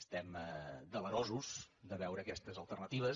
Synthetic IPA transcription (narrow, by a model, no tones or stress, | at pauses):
st̪ɛmd̪ələɾɔzuzd̪əβɛwɾəːkɛst̪əzəlˠt̪ərnət̪iβəs